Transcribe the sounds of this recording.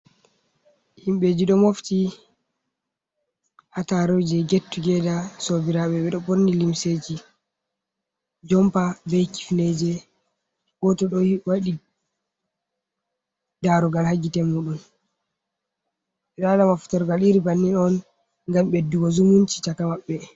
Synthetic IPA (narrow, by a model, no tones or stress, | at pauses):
himɓed͡ʒiɗɔmofti | hataɾod͡ʒɛɡetːuɡɛdasobiɾaɓɛɓɛɗɔbonːilimseːd͡ʒi | d͡ʒɔmpabɛjki̥fned͡ʒɛ | ɡ̥ɔtɔɗɔwaɗi | daɾɔɡalhaɡitɛmuːɗun | ɗalamafu̥taɾɡaliɾibanːinɔn | ŋɡamɓɛduɡɔzumunt͡ʃi̥takamaɓːɛ